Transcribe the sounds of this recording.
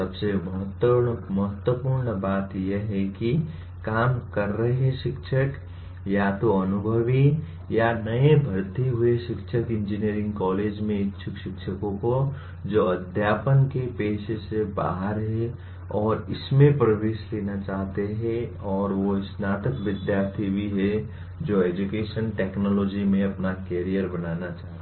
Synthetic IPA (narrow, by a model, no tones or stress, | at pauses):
sɐbsemɐɦət̪wɾɳmɐɦət̪wəpuːɾɳəbaːt̪jeɦɛki | kaːmkɐɾːəɦɦɛʃɪkʃʰək | jat̪oɐnʊbʱəʋi | janɐebʱəɾt̪iɦʊeʃɪkʃʰəkɪ̃nd͡ʒiniəɾɪ̃ŋɡkɔːleːd͡ʒmẽɪʃʰʊkʃɪkʃʰəkõko | d͡ʒoːɐd̪ʱjaːpənkepeːʃeseba̰ːɦəɾɦɛ | ɔːɾɪsmẽpɾəʋeːʃleːnat͡ʃaːɦt̪eɦɛ̃ɔːɾʋoɪsnaːt̪əkʋɪd̪jaːɾt̪ʰibʱiɦɛ | d͡ʒoːeːd͡ʒukeːʃənʈeːknɔːlɔːd͡ʒimẽɐpnakeːɾijəɾbɐnaːnat͡ʃaːɦe